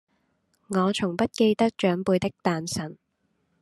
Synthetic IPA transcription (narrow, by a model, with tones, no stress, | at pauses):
ŋɔː˨˧t͡ʃʰʊ˨˩ŋpɐ˥t̚ke˧jt̪ɐ˥k̚t͡ʃœː˨˥ŋpuː˧jt̪ɪ˥k̚t̪aː˨nsɐ˨˩n